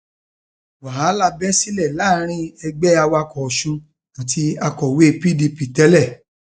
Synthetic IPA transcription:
wa˨ɦa˨˦la˦˨bɛ˦si˦lɛ˦˨la˦ɾ̃ĩ˦ɛ˧ɡ͡bɛ˦a˧wa˧kɔ˨ʃũ˧ | a˨tʰi˧a˧kɔ˨we˦˧pi˦˨di˧pi˨tɛ˦lɛ˦˨

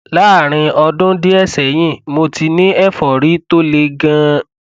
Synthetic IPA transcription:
la˨˦a˦˨ɾ̃ĩ˧ɔ˧dʊ̃˦di˦ɛ˦˨sɛ˨j̃ĩ˦˨mo˧ti˧nĩ˦ɛ˦fɔ˨ɾi˨˦to˦le˧ɡã˦

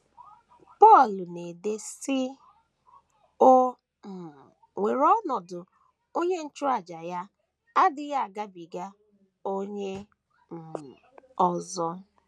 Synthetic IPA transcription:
pɔ˦˨lʊ˨ne˨de˦sɪ˦ | o˦ | m̩˨ | ŋʷe˨ɾɔ˦nɔ˨dʊ˨ | o˦ɲe˦n̩˦t͡ʃʊ˦a˨d͡ʒa˨ja˦ | a˦dɪ˨ɣa˦a˨ɡa˦bi˨ɡa˦ | o˦ɲe˦ | m̩˨ | ɔ˦zɔ˦

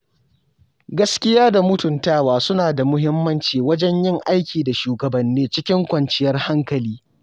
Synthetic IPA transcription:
ɡɐ˦skʲɪ˦jaː˦da˨mʊ˦tʊ˨ntaː˦waː˨sʊ˦naː˨da˨mʊ˦ɦɪ˦mːɐ˦nt͡ʃiː˨wɐ˦d͡ʒɛ˦ɲjɪ˦ŋʔa˦jkʲiː˨da˨ʃuː˨ɡɐ˨bɐ˨nːiː˦t͡ʃɪ˦kʲɪ˦ŋkʷɐ˨nt͡ʃɪ˦jɐ˦rha˦ŋkɐ˨liː˦

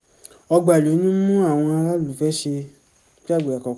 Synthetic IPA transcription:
ɔ˧ɡ͡ba˨lo˨˦nĩ˦mũ˦a˦˨w̃ɔ̃˧a˧la˦lu˨fɛ˦ʃe˧˦ | ki˦a˦˨ɡ͡be˨a˨kɔ˨k

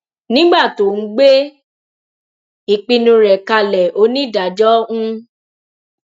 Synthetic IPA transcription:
nĩ˦ɡ͡ba˦˨to˨n̩˦ɡ͡be˦ | i˨k͡pi˧nũ˧ɾɛ˨ka˧lɛ˨ʔo˦nĩ˦da˨d͡ʒɔ˦ũ˦

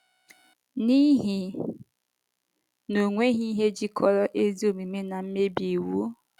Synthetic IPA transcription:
ni˦ɦi˨ | no˨ŋʷe˦ɦi˦ɦe˦d͡ʒi˦kʰɔ˦ɾɔ˦ʔe˦zi˦o˨mi˨me˦na˨m̩˦me˦bje˨wu˦

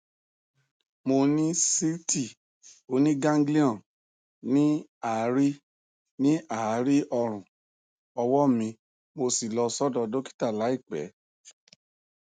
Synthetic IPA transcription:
mo˧nĩ˦si˦ti˦˨ | o˨˧˦nĩ˦ɡã˦ŋɡli˦ɔ̃˦˨ | nĩ˦a˨˦ɾi˦ | nĩ˦a˦˨˦ɾi˦ʔɔ˧ɾ̃ũ˨ | ɔ˧wɔ˦mĩ˧ | mo˧si˨lɔ˧sɔ˦dɔ˧do˦ki̥˦ta˦˨la˨˦i˦˨k͡pɛ̰˨˦

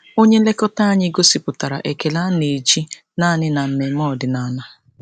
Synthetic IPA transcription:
o˦ɲe˦le˦kɔ˦ta˦a˦ɲɪ˦ɡo˦si˨pʊ˨ta˨ɾa̰˨ʔe˨ke˨la˦ne˨d͡ʒi˦ | na˦nɪ˦na˨m̩˦me˨mɔ˦˨dɪ˨na˨na˦

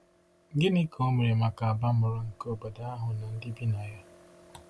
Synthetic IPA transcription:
ŋ̩˦ɡɪ˦ni˦kʰo˦me˨ɾe˨ma˨ka˨a˨ba˦mʊ˨ɾa˦ŋ̩˨ko˦˨ba˨da˨˦a˦ɦʊ˨na˨n̩˦dɪ˦bi˦na˨ja˦

